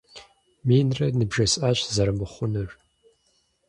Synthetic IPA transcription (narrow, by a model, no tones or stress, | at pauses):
minrɐnɨbʒɐsʼaɕzɐɾɨmɨχʷʊnɨʒ